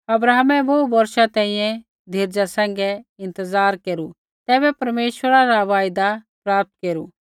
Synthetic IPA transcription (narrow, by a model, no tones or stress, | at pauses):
ɐbɾaːɦmɛboːbɐɾʃat̪ɛ̃ːĩjɛ̃ | d̪ʱɪɾd͡ʒasɛ̃ːŋ̆ɡɛɪ̃nt̪əzaːɾkeːɾu | t̪ɛːbɛpɐɾmeːʃwəɾaɾaʋaːjd̪apɾaːp̚t̪̚keːɾṵ